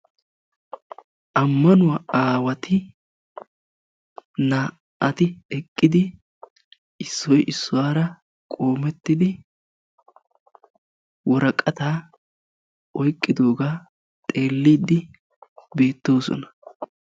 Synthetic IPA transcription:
ʔɐmːɐnʊwaːaːwɐt̪ɪ | naː | ɐt̪ɪɛkʼːɪd̪ɪ | ɪsːɔjʔɪsːʊwaːɾɐ | kʼo̞ːmɛt̪ːɪd̪ɪ | wɔɾɐkʼːɐt̪aː | ʔɔjkʼːɪd̪o̞ːɡaː | t̪ʼe̞ːlːiːd̪ɪ | be̞ːt̪ːo̞ːsɔ̰nɐ̥

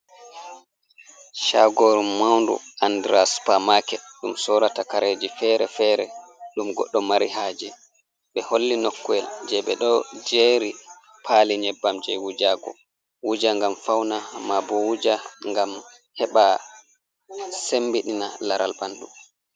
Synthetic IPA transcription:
ʃa̰ɡoɾumawndṵandɾaspamakɛɗumsɔɾatakaɾed͡ʒifɛɾɛfɛɾɛ̰ɗumɡɔ̰ɗːɔmaɾihaːd͡ʒɛ | ɓɛholːinɔkːuɛld͡ʒɛɓɛɗɔd͡ʒeɾi | pʰaːliɲɛbːamd͡ʒɛ̰wud͡ʒaɡɔ̰ | wud͡ʒaŋɡamfawnamabɔwud͡ʒaŋɡam | hɛɓa | sembiɗinalaɾa̰lbanɗu

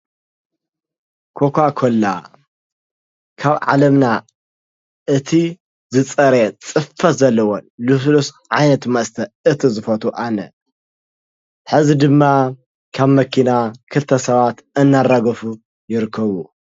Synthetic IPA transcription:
kʰo̞kʰʷakʰolːa | kʰaβʕa̰lɐmna | ɨt̪ʰi | zɨt͡sʼɐɾet͡sʼɨffɐt̪zɐlːɐwonlus̬lus | ʕajnɐt̪mɐst̪ʰɐɨt̪ʰizɨfɐt̪ʰuʔanɐ | ħɨzid̪ɨmːa | kʰaβmɐkʰinakʰɨlt̪ʰɐsɐβat̪ɨnːaraɡɐfu | jɪɾɨkʰːɐβu

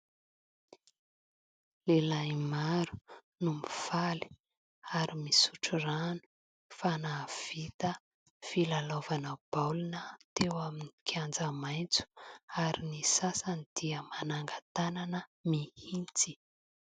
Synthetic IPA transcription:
lelajmaɾu̥ | numiv̥ali̥ | aɾimisu̥ʈ͡ʂuranu̥ | fanaːv̥it̪ə | filalovanəb̥awlunət̪ewaminikʰjand͡zəmajnt͡su̥aɾinisasənid̪̥iəmanaŋɡat̪ananəmihint͡si

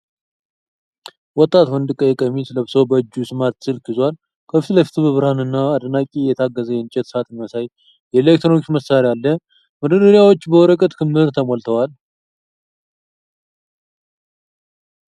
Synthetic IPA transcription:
wɔt̪ʼːat̪wɔnd̪ɨkʼːəjɛkʼəmisɨləβsowbəd͡ʒːusɨmaɾt̪sɨlkʰɨzwal | kʰəft̪ləfi̥t̪ʰɨbɨβɾhanɨnːaːd̪nakʲʼijɛt̪ʰaɡːəzəjɛnt͡ʃʼɛt̪sat̪ʼɨnməsaj | jɛlek̚t̪ʰɾokt͡ʃməsaɾialːə | mɨd̪ədəɾijawot͡ʃːbəwɔɾəkʼət̪kʰɨmhɨɾt̪ʰəmolt̪ʰəwal

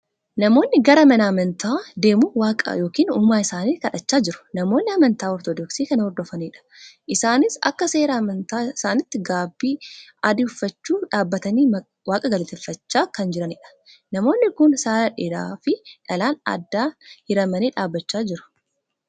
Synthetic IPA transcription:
nɐmo̞ːnːɪɡɐɾɐmɐnɐɐmɐnt̪aːd̪e̞ːmuːwaːkʼɐ̰jo̞ːkiːnuːmaːɪsaːniːt̪kɐᶑɐt͡ʃːaːd͡ʒɪɾʊ̥nɐmo̞ːnːɪɐmɐnt̪aːɔɾt̪ɔd̪ɔksiːkɐnhɔɾd̪ɔfɐniːᶑɐ̥ʔɪsaːnɪsɐ̰kːɐse̞ːɾamɐnt̪aːɪsaːnɪt̪ːɪɡaːbːiːɐd̪ɪʊfːɐt͡ʃːuːᶑaːbːɐt̪ɐniː | waːkʼɐɡɐlɐt̪ɛfːɐt͡ʃːaːkɐnd͡ʒɪɾɐnɪᶑɐ̥ | nɐmo̞ːnːɪkʊnsaːɾɐᶑeːɾaːfɪᶑɐlaːnɐ̰d̪ːaːhɪɾɐmɐniːᶑaːbːɐt͡ʃːaːd͡ʒɪɾʊ̥

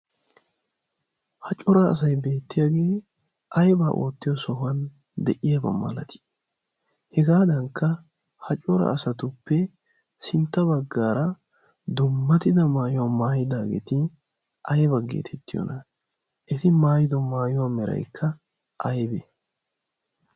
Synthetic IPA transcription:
hɐt͡ʃʼɔɾɐ̰ːs̬ɐjbe̞ːt̪ːɪjaːɡe̞ː | ʔɐjbaʔo̰ːt̪ːɪjɔsɔɦɐn | d̪ɛʔɪjabɐ̰mɐ̰lɐt̪ʰɪ̥ | hɛɡaːd̪ɐŋkːɐ | hɐt͡ʃʼɔɾɐ̰ːsɐt̪ʊpːɛ | sɪnt̪ːɐbɐɡːaːɾɐ | d̪ʊmːɐt̪ɪd̪ɐmaːjʊwamaːjɪd̪aːɡḛːt̪ɪ | ʔɐjbɐɡḛːt̪ʰɛt̪ːɪjɔ̰nɐ | ʔɛt̪ɪmaːjɪd̪ɔmaːjʊwamɛɾɐ̰jkʰːɐ | ʔɐjbɛ

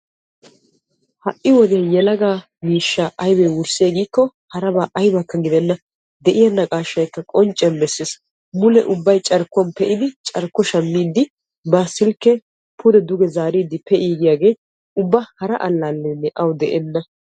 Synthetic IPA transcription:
hɐ̰ʔːɪwɔd̪ɪjɐjɛlɐɡaː | miːʃːaːʔɐjbɛwʊɾsɪeːɡiːkːɔ | hɐɾɐbaːʔɐjbɐkːɐɡɪd̪ɛnːɐ | d̪ɛʔɪjɐnːɐkʼaːʃːɐjkːɐkʼɔnt͡ʃʼːɛnbɛsːeːs | mʊlɛ̰ʔʊbːɐjt͡ʃʼɐɾkːʊɐnpɛʔɪd̪ɪt͡ʃʼɐɾkːɔʃɐmːiːd̪ːɪ | baːsːɪlkːɛ | pʰʊd̪ɛd̪ʊɡɛzaːɾiːd̪ːɪpɛʔiːɡɪjaːɡe̞ː | ʊbːɐhɐɾɐʔɐ̰lːaːlːɛnːɛʔɐwd̪ɛʔɛnːɐ

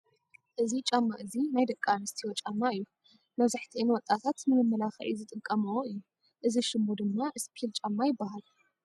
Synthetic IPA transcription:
ʔɨzit͡ʃʼamːaʔɨzinajd̪ɐkʼːanɨst̪ʰiwot͡ʃʼamːaɨjːu | mɐβzaħt̪ʰiʔɨnwɔt̪ʼːat̪ʰat̪mɨnɨmːɐlaxɐʔḭzɨt̪ʼɨkʼːɐmɨwoɨjːu | ʔɨziʃɨmːod̪ɨmːaʔɨspʰilt͡ʃʼamːajɪbːaɦal

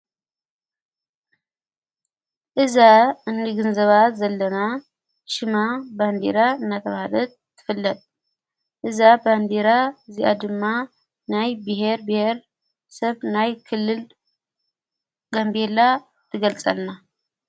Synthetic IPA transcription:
ʔɨzaɨnːiɡɨnzəβazɐlːəna | ʃɪmaband̪ḛɾaɨnːat̪ʰəβaalət̪̚t̪ʰːɨ̥fɨlːət̪ | ʔɨzaband̪eɾaɨziʔa̰d̪ɨmːa | najbɨɦe̞ɾbɨhe̞ɾ | səβnajkʰɨlːɨl | ɡ̥ambe̞lːa | t̪ʰɨɡəlt͡sʼa̰lna

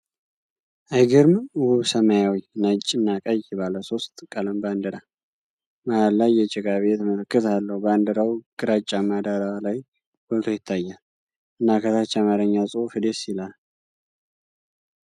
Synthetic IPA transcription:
ʔajɡɨɾmwuβsəmajawijnat͡ʃʼːɪɨnːakʼajɪβaləso̞st̪ʼkʼələmband̪əɾa | maalːajːɛt͡ʃʼɪɡaβeɛt̪ʰmələkːɨt̪alːəhuband̪əɾawɡ̥ɨɾat͡ʃʼːamad̪aɾawlaj | b̥ət̪ʰojɪt̪ʰːajːa | ʔɨnːakʰət̪ʰat͡ʃːamaɾəɲːasʼufɨd̪esilal

